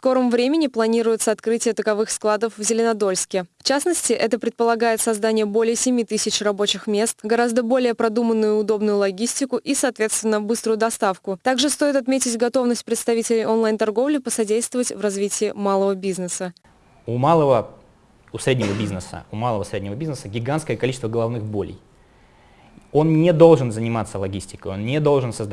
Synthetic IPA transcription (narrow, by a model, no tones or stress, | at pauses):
sko̞ɾəmvɾʲemʲɪnʲɪplˠɐnʲiɾʊjɪt̪səɐt̪kɾɨtʲɪjət̪əkɐvɨxsklˠad̪əfvzʲɪlʲɪnɐd̪o̞lʲskʲɪft͡ɕasnəsʲtʲɪʔɛt̪əpɾʲɪt̪̚pəlˠɐɡajɪt̪sɐzd̪anʲɪjəbo̞lʲɪjəsʲɪmʲit̪ɨsʲɪt͡ɕrɐbo̞t͡ɕɪxmʲe̞st̪ɡɐɾazd̪əbo̞lʲɪjəpɾɐd̪umənːʊjʊʊd̪o̞bnʊjʊlˠɐɡʲisʲtʲɪkʊʔisɐːt̪vʲe̞t̪st̪vʲɪnːəbɨst̪ɾʊjʊd̪ɐst̪afkʊt̪aɡʐɨst̪o̞jɪt̪ɐt̪mʲetʲɪtʲɡɐt̪ovnəsʲt̚ʲpɾʲɪt̪st̪ɐvʲitʲɪlʲɪjʔonlˠajnt̪ɐrɡo̞vlʲɪpəsɐdʲejst̪vəvətʲvrɐzvʲitʲɪɪmalˠəvəbʲiznəsə | umalˠəvə | ʊsɾʲedʲnʲɪvəbʲiznəsə̰ʊmalˠəvəsɾʲedʲnʲɪvəbʲiznəsəɡʲɪɡanskəjəkɐlʲit͡ɕɪst̪vəɡəlˠɐvnɨxbolʲɪ̰j | o̞nnʲed̪o̞lˠʐɨnzənʲɪmat̪sːəlˠɐɡʲisʲtʲɪ̥kəjonnʲed̪o̞lˠʐɨnsəzd̪